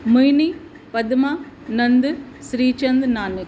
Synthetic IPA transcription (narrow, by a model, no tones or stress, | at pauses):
mujni | pɐd̪maːnɐnd̪sɾiːt͡ʃɐnd̪naːnɪk